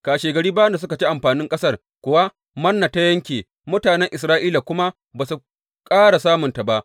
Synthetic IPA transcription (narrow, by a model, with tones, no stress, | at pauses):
kaː˨ʃeː˨ɡɐ˨ɾiː˦baː˦jɐ˦nda˨sʊ˦ka˨t͡ʃi˦ʔa˨mɸaː˨nɪ˦ŋkʼɐ˦sɐ˦r | kʷʊ˨wa˦ | mɐ˦nːa˨ta˦jɐ˦ŋkʲeː˨ | mʊ˦taː˨nɛ˦ŋʔɪ˨sɾaː˦ʔiː˦la˨kʷʊ˦ma˦ | baː˨su˨ | kʼaː˦ɽa˨saː˦mʊ˨nta˨ba˦ʔ